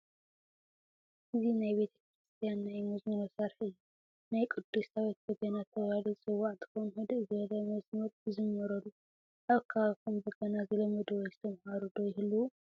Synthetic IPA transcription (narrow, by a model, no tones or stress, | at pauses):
ʔɨzinajbe̞t̪ʰɐ̥kɾɨst̪ʰijanːajmɐzmɐnosɐɾħiɨjːu | najkʼɨd̪̥ːusawit̪̚kɐɡanat̪ʰːɐβalisʼɨwːaʕt̪ɨkonuhɨd̪ɨʔzɨβɐlɐmɐsmɐɾɨzɨmːɐɾɐlːu | ʔaβkʰakʰumbɨɡɐnazɨlɐmɐd̪ozɨt̪ʰɐmhaɾud̪ojɪhɨlːuwu